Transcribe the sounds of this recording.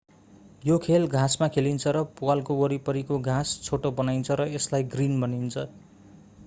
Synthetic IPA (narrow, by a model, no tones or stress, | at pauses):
jokʰelɡʱasmakʰelint͡sʰʌɾʌpualkowʌɾipʌɾikoɡʱãst͡sʰoʈobʌnajnt͡sʰʌɾʌeslajɡrinbʌnint͡sʰʌ